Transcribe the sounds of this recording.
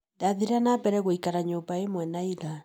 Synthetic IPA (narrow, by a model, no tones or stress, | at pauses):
daðiɾanabɛɾɛɣoikaɾaɲobaemwɛnaila